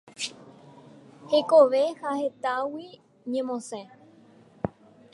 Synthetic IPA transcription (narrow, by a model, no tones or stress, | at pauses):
he̞koʋe̞hahe̞t̪awi | ɲẽmõsẽ